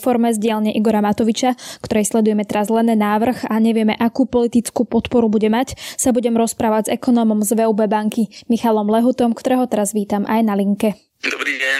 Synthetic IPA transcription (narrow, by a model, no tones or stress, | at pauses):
fɔɾmɛzɟɪalɲɛʔiɡɔɾamat̪ɔʋit͡ʃakt̪ɔɾɛjslɛd̪ujɛmɛt̪ɛɾazlɛnɛːnaːʋr̩ɣaɲɛʋɪɛmɛʔakuːpɔlit̪it͡skuːpɔt̪pɔɾubuɟɛmacsabuɟɛmɾɔspɾaːʋaɟzɛkɔnɔːmɔmzʋɛuːbɛbaŋkimixalɔmlɛɦut̪ɔmkt̪ɔɾɛːɦɔt̪ɛɾazʋiːt̪amʔajnaliŋkɛ